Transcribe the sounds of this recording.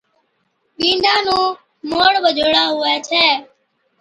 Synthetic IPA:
ɓĩːnd̪aːnũː | moːɽɓəd͡ʒʱoːɽaːɦʊɛːt͡ʃʰɛː

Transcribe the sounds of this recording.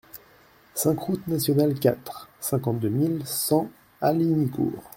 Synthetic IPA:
sɛ̃kχut̪nasjɔnalkʲat̪χsɛ̃kɑ̃t̪̚d̪ømilsɑ̃ | alinikṵːʁ

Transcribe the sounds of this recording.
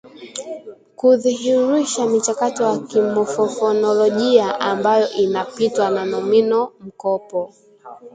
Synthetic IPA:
kuðihiɾiʃamit͡ʃakatɔjakimɔfɔfɔnɔlɔʄiaʔambajɔʔinapitwananɔminɔm̩kɔpɔ

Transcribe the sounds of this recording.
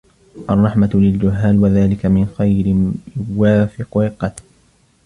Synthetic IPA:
ʔɑrˤːɑħmalɪld͡ʒʊɦːaːlwaðaːlɪkamɪnxajɾɪjʊwaːfɪqɪlqːɑt̪l

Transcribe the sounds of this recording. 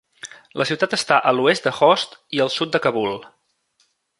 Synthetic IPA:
lʔəsiwt̪at̪əst̪aʔəluest̪̚d̪əxɔst̪iəlˠsut̪̚d̪əkəβulˠ

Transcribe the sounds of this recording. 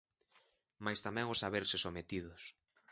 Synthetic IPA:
majst̪amɛ̃ŋʊsaβeɾsɪsomet̪iðʊs

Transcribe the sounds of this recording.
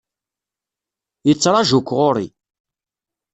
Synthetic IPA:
jət͡sːɾˤɑʒukʷːʁoɾḭ

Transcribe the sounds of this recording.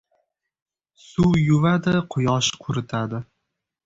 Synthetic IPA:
sujʊvad̪ɪqʰʊjɒʃqʰʊɾɪt̪ʰad̪ɪ

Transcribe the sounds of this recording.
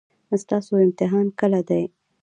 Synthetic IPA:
st̪ɑsoɪmt̪ɪɦɑnkəlad̪aj

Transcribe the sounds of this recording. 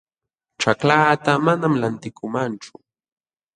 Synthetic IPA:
ʈ͡ʂaklaːt̪amanamlant̪ɪkʰʊmant͡ʃʊ̥

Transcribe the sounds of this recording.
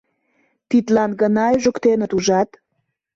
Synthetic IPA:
t̪it̪lɑnɡənɑʒə̆kt̪enət̪uʒɑt̪

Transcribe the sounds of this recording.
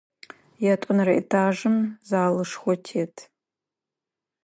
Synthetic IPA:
jatʷʼʊnraʔḭtʰaʐɨmzaːlɨʂχʷɔtʰetʰʼ

